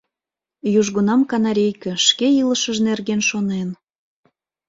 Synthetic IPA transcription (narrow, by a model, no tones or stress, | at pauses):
juʒɣunɑmkɑnɑɾʲejkə̆ʃkeiləʃəʒnerɣenʃonen